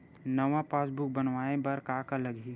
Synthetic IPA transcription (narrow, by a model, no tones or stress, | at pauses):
nəʋãpaːsbʊk̚bənʋaːẽbɐɾkaːkaləɡʱi